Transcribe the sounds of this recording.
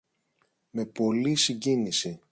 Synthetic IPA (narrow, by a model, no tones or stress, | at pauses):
me̞po̞lisiɲɟinisi